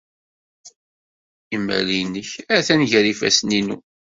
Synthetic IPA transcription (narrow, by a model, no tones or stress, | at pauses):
imːə̰linəçæθænʝəɾifæ̰sninu